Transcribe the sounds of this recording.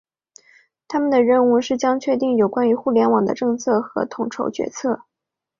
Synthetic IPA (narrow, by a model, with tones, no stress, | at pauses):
t̪ʰa˥mə˨nd̪ə˩ɻə˥˧nu˥˧ʂɻ̩˥˩t͡ɕjɑ˥ŋt͡ɕʰɥɛ˥˧t̪̬i˥˩ŋjo˨˩ʊkwa˥ny˧˥xu˥˩ljɛ˧˥nwɑ˨˩ŋd̪ə̰˦ʈ͡ʂɤ˥˧ŋt͡sʰɤ˥˩xɤ̰˧˥t̪ʰʊ˨˩ŋʈ͡ʂʰo˧˥ʊt͡ɕɥɛ̰˧˥t͡sʰɤ˥˩